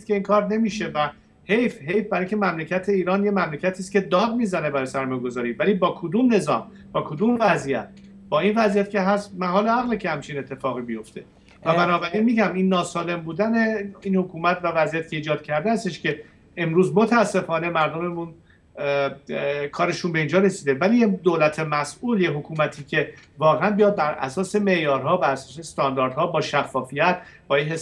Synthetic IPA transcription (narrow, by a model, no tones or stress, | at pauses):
it̪̚kʰʲeiːnkʰɒːɾne̞miːʃe̞væ | he̞jfɦe̞jfbæɾŋcʰemæmlecʰæt̪ʰe̞iːɾɒːnjemæmlecʰæt̪ʰiːscʲe̞d̪ɒːd̪̚miːzæne̞bæɾɒːjsæɾmɒːjeɡo̞zɒːɾiːvæliːbɒːkʰod̪uːmne̞zɒ̰ːm | b̥ɒːkʰo̞d̪uːmvæzijæ̰t̪̚ | b̥ɒːinvæzijæt̪ce̞ɦæst̪mæɦɒːleæɣlicʰehæmt͡ʃʰine̞t̪ʰːe̞fɒːɣibijo̞ft̪ʰe̞ | væbænɒːbæɾinmiːɟæminːɒːsɒːle̞mbuːd̪æneiːnhokʰuːmæt̪ʰvævæzijæt̪ceiːd͡ʒɒːd̪̥̚cʰæɾd̪eæst̪eʃcʲe̞ | emɾuːzmot̪ʰææsːe̞fɒːne̞mæɾd̪o̞me̞mun | kʰɒːɾe̞ʃunbe̞iːnd͡ʒɒːɾe̞siːd̪evælijed̪olæt̪ʰemæsʔuːljeɦokʰuːmæt̪ʰiːcʰe̞vɒːɣeænbijɒːd̪̚bæɾʔæ̰sɒːse̞me̞ʔjɒːɾɦɒːbæɾæsɒːsest̪ɒnd̪ɒːɾd̪̥hɒːbɒːʃæfːɒːfijæt̪̚b̥ɒːjeɦes